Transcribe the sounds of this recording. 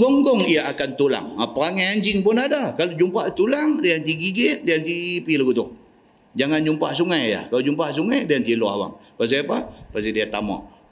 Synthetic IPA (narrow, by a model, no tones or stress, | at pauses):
ɡɔŋɡɔŋiaakant̪ula̰ŋapaaŋajaɲd͡ʒɪŋpʊnadakalod͡ʒumpaʔt̪ulaŋɾiant̪iɡiɡeʔdiant̪ipilaɡut̪ʊh | d͡ʒaŋand͡ʒumpaʔsuŋajja̰hkalod͡ʒumpaʔs̬uŋajdiant̪ilua̰hwa̰ŋpas̬apapɾesidɛt̪ːama̰ʔ